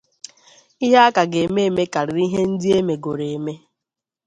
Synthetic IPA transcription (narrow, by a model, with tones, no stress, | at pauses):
i˦ɦe˦a˦ka˨ɡe˨me˦e˨me˦ka˨ɾɪ˨ɾi˦ɦe˦n̩˦dɪ˦e˦me˨ɡo˨ɾe˨e˨me˦